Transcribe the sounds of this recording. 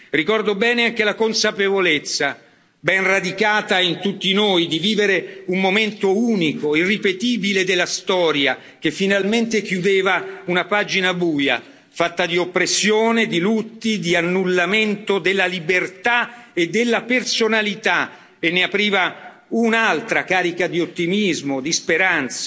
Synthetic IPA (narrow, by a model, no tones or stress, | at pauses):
rikɔrd̪obɛːneaŋk̟elakonsapevolet̪sːa | bɛnrad̪ikaːt̪aint̪ut̪ːinoːjd̪iviːveɾeumːoment̪ouːnikoirːipet̪iːbiled̪elːast̪ɔːɾja | k̟efːinalment̪ek̟jud̪eːvaunapad͡ʒinabuːja̰ | fat̪ːad̪iopːɾesːjoːned̪ilut̪ːid̪ianːulːament̪od̪elːalibert̪aed̪ːelːapersonalit̪a | enːeapɾiːva | unalt̪ɾakaːɾikad̪iot̪ːimizmod̪ispeɾant̪sa